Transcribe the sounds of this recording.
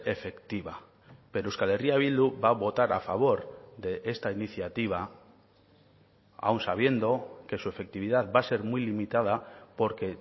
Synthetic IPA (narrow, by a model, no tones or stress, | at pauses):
e̞fe̞kt̪iβa | pe̞ɾouskale̞riaβ̞ild̪ubaβo̞t̪aɾa̰faβ̞o̞ɾðe̞ʔe̞st̪ainiθjat̪iβ̞a | a̰wnsaβje̞nd̪o̞ke̞sue̞fe̞k̚t̪iβ̞iðaðbase̞ɾmujlimit̪að̞apo̞ɾke̞